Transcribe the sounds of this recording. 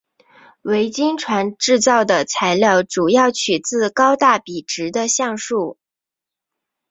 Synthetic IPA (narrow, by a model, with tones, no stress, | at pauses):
we˧˥ɪt͡ɕi˥ŋʈ͡ʂʰwa˧˥nʈ͡ʂɻ̩˥˧t͡sɑ˥˩ʊd̪ə˩t͡sʰa˧˥ɪljɑ˥˩ʊʈ͡ʂu˨˩jɑ˥˩ʊt͡ɕʰy˨˩t͡sɹ̩˥˩kɑ˥ʊt̪a˥˩pi˨˩ʈ͡ʂɻ̩˧˥d̪ə˧ɕjɑ˥˧ŋʂu˥˩